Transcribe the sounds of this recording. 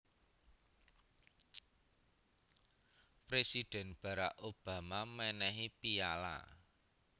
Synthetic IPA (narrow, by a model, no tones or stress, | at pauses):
pɾesid̪̥ɛ̤nb̥ä̤ɾakʔob̥a̤mamɛnɛɦipiala̰